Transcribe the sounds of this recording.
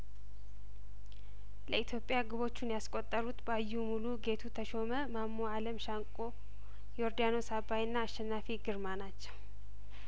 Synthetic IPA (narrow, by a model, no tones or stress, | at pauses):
ləit̪ʰjo̞pʼɪjaɡɨβo̞t͡ʃːunjaskʼot̪ʼːəɾut̪bəajːumuluɡe̞t̪ʰut̪ʰəʃo̞məmamːoaləmʃaŋkʼo̞ | jɛoɾd̪jano̞sabajɨnːaːʃːɛnːafiɡɨɾmanat͡ʃːɛw